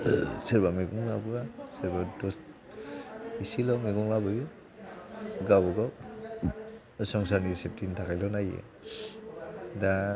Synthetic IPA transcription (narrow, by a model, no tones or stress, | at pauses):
seɾbameɡuŋlabuaseɾbadɔst̚ | isilɔmeɡuŋlabɯju | ɡabɔɡɔ | sɔŋs̬aɾnisep̚tʰintʰakʰajlɔnajḛ | da